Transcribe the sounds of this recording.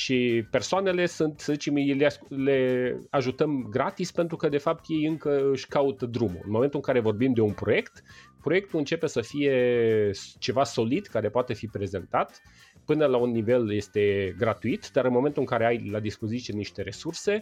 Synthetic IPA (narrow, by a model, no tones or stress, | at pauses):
ʃipe̞rsoane̞le̞sunt̪səzit͡ʃemjlele̞aʒut̪əmɡɾat̪ispe̞nt̪ɾukəd̪e̞fap̚t̪je̞jɨŋkəɨʃʲkaut̪əd̪ɾumṵɨ̰nmo̞ment̪uɨŋkaɾe̞vo̞rbimd̪e̞unpɾo̞je̞kt̪pɾo̞je̞k̚t̪uɨnt͡ʃe̞pe̞səfije̞ | t͡ʃe̞vaso̞lid̪kaɾe̞poat̪e̞fipɾe̞zent̪at̪ | pɨnəlaunːive̞lje̞st̪e̞ɡɾat̪uit̪d̪aɾɨnmo̞me̞nt̪uɨŋkaɾe̞ajlad̪ispo̞zit̪ijeniʃt̪e̞ɾe̞surse̞